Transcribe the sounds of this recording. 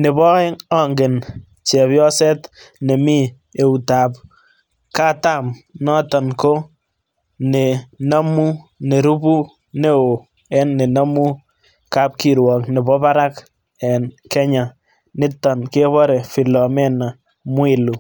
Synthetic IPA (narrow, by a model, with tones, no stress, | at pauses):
nɪ˨bɔ˦ɪ˦ŋɔ˦ŋɡɪ˨n | t͡ʃɛ˨βjɔ˦sɛ˦tne˨mi˦ | e˨u˨ta˨p̚ | ka˦ta˦˨mnɔ˦tɔ˨nko˦ | ne˨na˦mu˦ne˨ɾu˦bu˦ | ne˦o˨ | ɛ˦nːe˨na˦mu˦ | ka˦p̚ki˨ɾwɔ˨kne˨bɔ˦pa˦ɾa˦k | ɛ˨nkɛ˦ɲa˨ | nɪ˦tɔ˨nke˦βɔ˦ɾe˨fi˨lɔ˨mɛ˦na˨ | mwɪ˨lu˨